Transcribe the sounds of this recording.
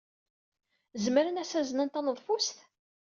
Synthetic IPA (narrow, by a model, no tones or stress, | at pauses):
zməɾənæsæzənənt̪ænəðˤfust̪